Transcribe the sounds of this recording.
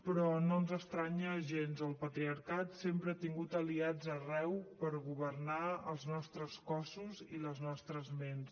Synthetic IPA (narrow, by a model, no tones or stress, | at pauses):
pɾɔnonzəst̪ɾaɲəʒenzəlˠpət̪ɾiəɾkat̪sempɾəat̪iŋɡut̪əliad͡zərɛwpəɾɣuβəɾnaəlˠznɔst̪ɾəskɔsuziləznɔst̪ɾəzmens